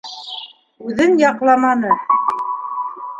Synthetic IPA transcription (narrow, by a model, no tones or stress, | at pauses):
ʉðɘnjɑqlˠɑmɑnɤ